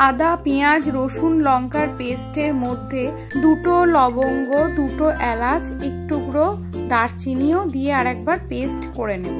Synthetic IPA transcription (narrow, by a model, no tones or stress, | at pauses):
ad̪apejad͡ʑɾoʃunlɔŋkaɾpesʈeɾmod̪ʱːe | d̪uʈolɔboŋɡoɖuʈoʔɛlad͡ʑ | ek̚ʈuɡɾo | d̪aɾt͡ɕinijod̪ieaɾɛk̚baɾpesʈkoɾene